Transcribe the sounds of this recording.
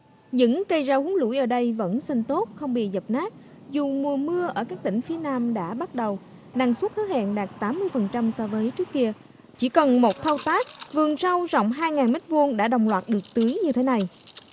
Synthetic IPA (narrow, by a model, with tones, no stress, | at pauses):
ɲɨ̰˧˥ŋkə˧jzaː˧hu˨˦ŋlṵ˧˥jʔəː˧˩ɗə˧jvə̰˧˥nsa˧ŋt̪o˦˥t̚xə˧wŋ͡mɓḭ˧˨zə˨˩p̚naː˦˥k̚ | zu˨˩mu˨˩əmɨ˧əʔəː˧˩kaː˦˥k̚t̪ï˧˩ŋ̟fi˨˦ənaː˧mɗa̰ː˧˥ɓa˦˥t̚ɗə˨˩w | na˨˩ŋsu˦˥t̚xəː˨˦˥ha̰ː˧˨nɗaː˨˩k̚t̪aː˨˦mːɨ˧əjfə˨˩nt͡ɕa˧msɔː˧vəː˨˦jt͡ɕɨ˦˥əkːi˧ə | t͡ɕi˧˩kə˨˩nmo˨˩t̚t̪ʰə˧wt̪aː˦˥k̚vɨ˨˩əŋsa˧wzɔ̰˧˨wŋ͡mɦaː˧jŋaː˨˩nmi˦˥t̟̚vu˧nɗa̰ː˧˥ɗə˨˩wŋ͡mlwaː˨˩t̚ɗɨ˨˩ək̚t̪ɨ˨˦əjɲɨ˧t̪ʰe˨˦na˨˩j